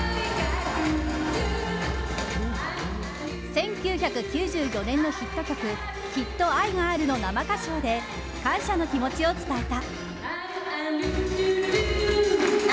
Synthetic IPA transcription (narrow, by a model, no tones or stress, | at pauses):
sẽ̞ŋkʲɨːçakɯ̟kʲɨːʑɨːjo̞nẽ̞nːo̞çit̪ːo̞kʲo̞kɯ̟ | çit̪ːo̞aiŋaːɾɯ̟no̞namakaɕo̞ːd̪e̞ | kãɰ̃ɕano̞kʲimo̞t͡ɕio̞t͡sɨ̥t̪aet̪a